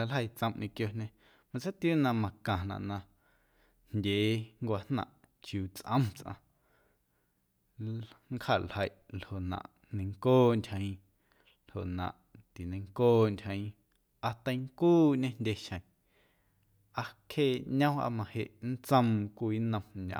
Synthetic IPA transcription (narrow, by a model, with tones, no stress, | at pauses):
a˧lɦə˧˨jt͡sə̃˧mʔɲĩ˧kjo˧ɲẽ˧ | mã˧t͡sa˦t̪juː˦nã˧mã˧kã˨nã̰˨ʔnã˧ | nndʲeː˨˦ŋkʷa˧hnã̰˨ʔ | t͡ʃjuː˨t͡sʔə̰̃˦mt͡sʔã̰˧ | ŋkha˨lhə˧˨jʔlho˨ʔnã̰˨ʔ | nə̃˧ŋkoː˦ntʲhə̃˧ĩ˧ | lho˨ʔnã̰˨ʔt̪i˨nə̃˧ŋkoː˦ntʲhə̃˧ĩ˧ | a˧t̪ã˧i˧˦ŋkuː˦ɲẽ˦ndʲe˧ʃə̃˨ | a˧kʰeː˦˨ɲã˦a̰˧mã˧he˨ʔn̩˦t͡sə̃˧mkʷiː˧˦nə̃˧mɲã̰˨